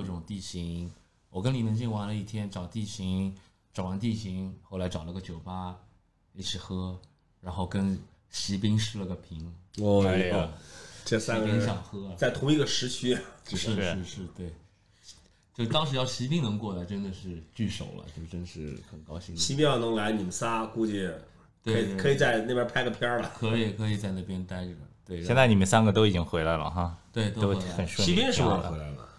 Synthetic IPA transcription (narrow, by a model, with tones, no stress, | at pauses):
ʈ͡ʂʊ˨˩ŋt̪i˥˩ɕi˧˥ŋ | wɔ˨˩k̬ə˥ni˨˩nə˧˥ŋɕ̬i˥˩nwa˧˥nlə˧i˥˩t̪ʰjɛ˥nʈ͡ʂɑ˨˩ʊt̪i˥˩ɕi˧˥ŋ | ʈ͡ʂɑ˨˩ʊwa˧˥nt̪̬i˥˩ɕi˧˥ŋxo˥˩ʊla˧˥ʈ͡ʂɑ˨˩lə˧ɡə˧t͡ɕjo˨˩ʊpa˥˧˥ | t͡ɕʰi˨˩xɤ˥ | ɻa˧˥nxo˥˩ʊkə˥n | ɕi˧˥p̬i˥ŋʂɻ̩˥lə˧˩ɡə˩pʰi˧˥ŋ˥˧˥ | ʊ˥˧˩ŋʈ͡ʂə˥˩a˥ə˧˥ɕjɑ˨˩ŋxɤ˥˧t͡sa˥˩ɪt̪ʰʊ˧˥ŋi˧˥ɡə˧ʂɻ̩˧˥t͡ɕʰy˥˧ʂɻ̩˥˧ʂɻ̩˥˧ʂɻ̩˥˧t̪we˥˩ɪ | t͡ɕjo˥˧ʊ˧t̪ɑ˥ŋʂɻ̩˧˥jɑ˥˩ʊɕi˧˥pi˥˩ŋnɤ˧˥ŋkwɔ˥˩d̪ə˨˩ʈ͡ʂə˥nd̪ə˨ʂɻ̩˥˧t͡ɕy˥˩ʂo̰˨˩ʊlə̰˦t͡ɕjo˥˧ʂʈ͡ʂə˥nd̪ə˨ʂɻ̩˥˩xə˨˩nkɑ˥ʊɕi˥ŋɕʰi˧˥pʲjɛ˥jɑ˥˩ʊnɤ˧˥ŋla˧˥ɪni˨˩mə˦nsa˥ku˥˧t͡ɕi˥˩ | kt̪we˥˧˥kʰɤ˧˥i˨˩t͡sa˥˧ɪna˥˩ɪpjʲɐ˥pʰa˥ɪɡə˧˩pʰjɑ˥lə˨kʰɤ˧˥i˨˩kʰɤ˧˥i˨˩t͡sa˥˧ɪna˥˩pjɛ˥nt̪a˥ɪʈ͡ʂə˩t̪we˥˩ɪɕɛ˥˧nt͡sa˥˩ni˨˩mə˦nsa˥nɡə˨t̪o˥ʊi˨˩t͡ɕi˥ŋxwe˧˥ɪla˧˥ɪlə̰˩xa˥˩t̪we˥˩ɪt̪o˥o˥ʊxwe˧˥˧xə˨˩nʂwi˥jɛ˥nʂ̬ɻ̩˧˥we˥la˧˥ɪlə̰˩